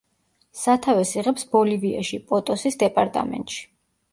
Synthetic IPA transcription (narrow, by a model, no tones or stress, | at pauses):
sat̪ʰavɛsiʁɛpsbɔlivia̰ʃipʼɔt̪ʼɔsisd̪ɛpʼaɾt̪ʼa̰mɛ̰nt̪ʼʃi̥